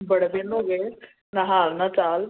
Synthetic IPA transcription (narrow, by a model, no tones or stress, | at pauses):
bəɽd̪enoɡe | naɦaːlnat͡ʃaːl